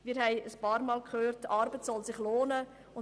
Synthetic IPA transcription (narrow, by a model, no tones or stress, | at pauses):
mɪːɾhɛɪəspɑːɾmɑːlkʰχøːɾtɑːɾbətsɔlsɪχloːnə | ʊn